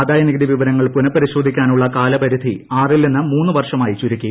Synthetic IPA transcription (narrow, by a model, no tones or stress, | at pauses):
d̪aːjɐniɡɐd̪iʋiʋɐɾɐŋːɐɭpunɐpːɐɾiɕoːd̪ʱikʲːaːnuɭːɐkaːlɐpɐɾud̪ʱiaːrilninːɨmuːnːɨʋɐrʂɐmaːjit͡ɕuɾikʲːi